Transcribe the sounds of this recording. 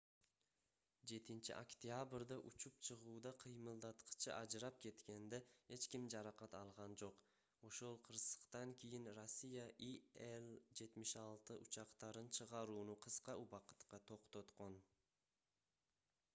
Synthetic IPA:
d͡ʒe̞t̪int͡ʃḭʔokt̪ʲjabɾd̪ɑʔut͡ʃup̚t͡ʃʰɯʁuːd̪ɑqʰɯjmɯlˠd̪ɑt̪qɯ̥t͡ʃʰɯʔɑd͡ʒɾɑp̚ke̞t̪ke̞nd̪ehe̞t͡ʃkimd͡ʒɑɾɑqɑt̪ɑlˠʁɑnd͡ʒo̞q | o̞ʃo̞lˠqʰɯɾsə̥qt̪ɑŋkʲʰijinro̞sʲːijaʔield͡ʒe̞t̪miʃɑlˠt̪ɯʔut͡ʃɑqt̪ɑɾɯnt͡ʃʰɯʁɑɾuːnuqʰɯsqɑuβɑqɯ̥t̪qɑt̪ʰo̞qt̪o̞t̪qo̞n

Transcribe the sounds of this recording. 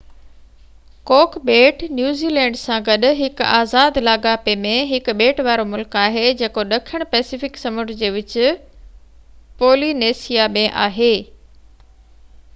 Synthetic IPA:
koːkbeːʈnjuːziːlɛ̃ːɳɖsãɡɐɗʊ̆ɦɪka̰ːzaːd̪laːɡaːpemẽɦɪkɓeːʈʋaːɾomʊlkaːɦed͡ʑeːkoɗɐkʰəɽ̃pɛːsifɪksɐmʊʈd͡ʑeːʋɪt͡ɕɪ̆ | poːlineːsijamẽʔa̰ːɦeː

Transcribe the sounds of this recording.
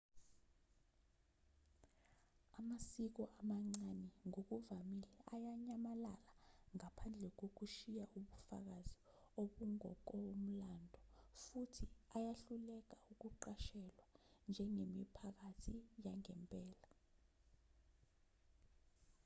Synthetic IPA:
amasik̬ɔʔamaŋ͡ǀanɛŋok̬uvamilɛʔajaɲamalalaŋapʰand͡ɮʱɛk̬ok̬uʃijaʔuɓufa̰k̬azi | oɓuŋɔ̰k̬ʼɔum̩landʱɔfutʰiajaɬulɛk̬auk̬uǃaʃɛlwand͡ʒʱɛŋemipʰak̬atʰijaŋɛmpʼɛːla

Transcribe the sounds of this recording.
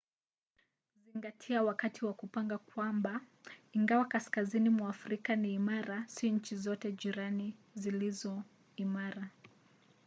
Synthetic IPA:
ziŋɡatʰiawakatʰiwakupaŋɡakwamba | iŋɡawakaskazinimwaːfɾikaniːmaɾasiɲ̩t͡ʃizɔtɛʄiɾanizilizɔ | imaɾa

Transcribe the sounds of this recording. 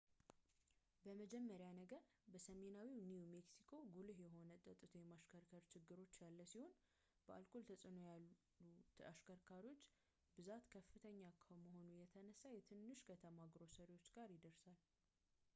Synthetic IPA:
bəməd͡ʒɛmːəɾjanəɡəɾ | bəsəme̞nawiniume̞ksikʰo̞ɡulɨhjɛɦo̞nət̪ʼət̪ʼːɨt̪ʰojɛmaʃkʰəɾkʰəɾt͡ʃʰɪɡːɨɾo̞t͡ʃːjalːəsiho̞n | b̥əʔa̰lkʰolt̪ʰəsʼɨno̞jal | uaʃkʰəɾkʰaɾio̞t͡ʃː | bɨzat̪kʰəfːɨt̪ʰəɲːakʰəməɦo̞nujɛt̪ʰənəsːajɛt̪ʰɨnːɨʃkʰət̪ʰəmaɡɾo̞səɾewo̞t͡ʃːɡaɾjɪd̪əɾsal

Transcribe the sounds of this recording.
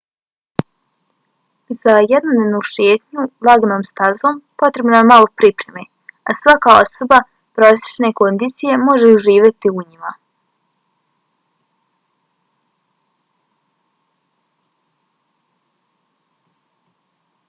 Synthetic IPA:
zajed̪nonʲeʋnuːʃjeːt̪ɲulˠaɡnoːmst̪aɾzompo̞t̪ɾe̞bnaemalˠopɾipɾe̞me | asʋakaoso̞ba | pɾosje̥t͡ʃne̞ko̞nd̪iːt̪sije̞mo̞ʒeuʒiːʋjat̪iuɲima

